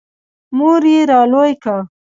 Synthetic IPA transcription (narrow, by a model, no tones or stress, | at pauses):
muɾjeɾɑlojka